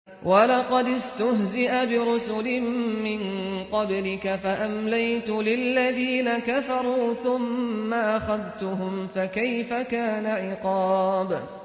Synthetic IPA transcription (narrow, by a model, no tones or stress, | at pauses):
wɑlɑqɑd̪ɪst̪ʊhzɪʔabɪɾʊsʊlɪmːɪnqɑblɪkafaʔamlajt̪ʊlɪlːaðiːnakafɑɾˤuːθʊmːaʔaxaðt̪ʊɦʊmfakajfakaːnaʕɪqɑːb